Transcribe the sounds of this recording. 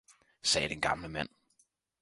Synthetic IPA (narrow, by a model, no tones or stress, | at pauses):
sɛːɾ̥enɡ̥ɑ̈mləmæn̰